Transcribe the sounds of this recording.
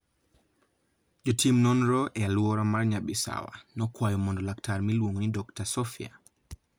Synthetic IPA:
d͡ʒɔtʰimnɔnɾɔʔɛalwɔɾamaɾɲaɓisa̰wa̰nɔkwajɔmɔndɔlaktaɾmilwuŋnidɔktasɔfia̰

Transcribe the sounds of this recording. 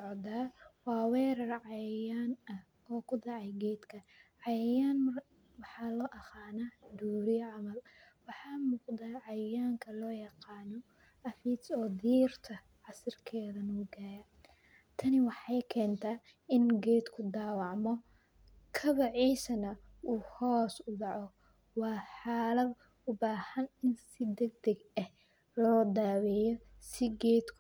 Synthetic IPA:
sʕd̪aːwɑːwɛːɾɐrʕɑjjaːnɐ | ɔːkʰʊd̪ɑʕɑjɡɛːd̪kʰɐʕɑjɐjaːn | wɑħɑːlɔːʔɐqɑːnaːd̪uːɾɪjʕɑmɐlwɑħɑːmuːqd̪aːʕɑjjaːŋkʰɐlɔːjɑqɑːnɔ | ʔɐfiːsɔːd̪iːrt̪ʰɐ | ʕɑsɪrkʰɛːðɐnuːɡaːjɐ | t̪ʰɐnɪwɑħɑjkʰɛːnt̪ʰaː | ɪnɡɛːd̪kʰʊd̪aːwɑʕmɔ | kʰɐβɐʕiːsɐnɐ | uːhɔːsʊɖɑʕɔ | wɑːħɑːlɐd̪ | ʊbaːhɐnɪnsɪd̪ɛɡ̚d̪ɐɡɛh | lɔːd̪aːwɛjɔ | sɪɡɛːd̪kʰ

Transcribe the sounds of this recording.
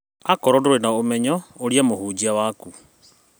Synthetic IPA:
akɔɾɔndoɾenaomɛɲɔoɾiamohuːd͡ʑiawaːku

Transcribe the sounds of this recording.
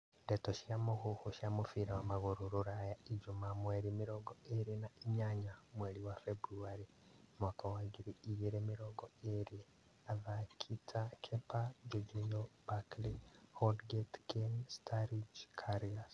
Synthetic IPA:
ndetoʃijamohuhuʃamufiɾawamaɣuɾuɾuɾajaid͡ʒumamweɾimiɾoɡoeɾinaiɲaɲamweɾiwafebɾuaɾi | mwaːkawaɡiɾiijiɾemiɾoɡoeɾi | aðakʰitʰakʰepad͡ʒod͡ʒijob̥aklihodɡetkenstʰaɾid͡ʒkʰaɾilas

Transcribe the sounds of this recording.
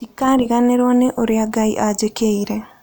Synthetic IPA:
ikaɾiɣaneɾɔneʔoɾjaɡaḭʔad͡ʒekeiɾe

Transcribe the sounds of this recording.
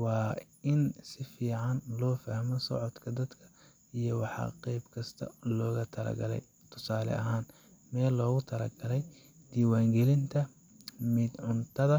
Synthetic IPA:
wɑː | ɪnsɪfiːʕɑnlɔːfaːhmɔsɔ̰ʕɔd̪kʰɐd̪ɐd̪kʰɐ̥ | ijɔwɑħɑ̰qɛjbkʰɐst̪ʰɐ̰lɔːɣɐt̪ʰɐlɐ̰ɡɐlɛ̰j | t̪ʰʊsaːlɛ̰ʔɐɦaːn | mɛːlːɔːɣʊt̪ʰɐlɐ̰ɡɐlɛj | d̪̥iːwaːŋɡɛlɪnt̪ʰɐ | mɪd̪ʕʊnt̪ʰɐðɐ

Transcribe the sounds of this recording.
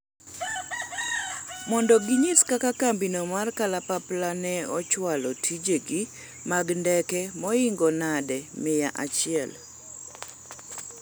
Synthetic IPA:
mɔndɔɡɪɲɪskakakambinomarkalapaplanɛɔt͡ʃwalɔtʰid͡ʒeɡi | maɡndɛkɛmɔɪŋɡɔnadɛmɪjaʔat͡ʃɪɛ̰l

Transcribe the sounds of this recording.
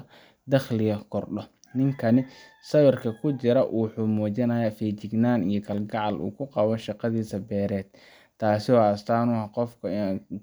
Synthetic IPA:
d̪ɐχlɪjɐkʰɔrɖɔ | nɪŋkʰɐnɪsɐβɐrkʰɐkʰʊt͡ʃɪɾɐʔuːħʊmuːt͡ʃɐnɐjafiːt͡ʃɪɡnaːnijɞkʰɐlɡɑʕɑlʔṵːkʰʊqɑβɔʃɑqɑðiːsɐbɛːɾɛːd̪̚ | t̪ʰaːsɪɔɐst̪ʰaːnʊɐqɔfkʰɐ

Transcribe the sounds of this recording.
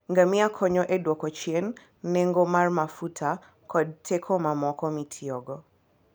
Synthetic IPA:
ŋɡamiakʰɔɲɔʔedwɔkɔt͡ʃjɛnː | eŋɡomarmafutʰa | kɔd̚tʰɛkʰɔmamɔkɔmitʰiɔɡɔ

